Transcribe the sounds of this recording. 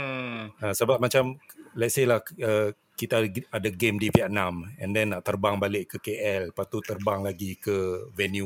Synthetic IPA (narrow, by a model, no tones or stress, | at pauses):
asəbap̚mat͡ʃamlɛt̪̚selahə | kit̪aadaɡemdiviat̪̚namɛ̰̃ndɛnːaʔt̪ərbaŋbalɪʔkːəkeʔɛlpat̪ut̪ərbaŋlaɡikəvɛnju